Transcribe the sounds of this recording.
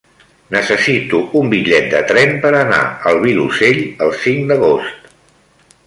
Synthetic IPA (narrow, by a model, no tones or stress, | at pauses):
nəsəsit̪uumbiʎɛt̪̚d̪ət̪ɾɛmpəɾəna̰əlˠβiluseʎəlˠsiŋd̪əɣost̪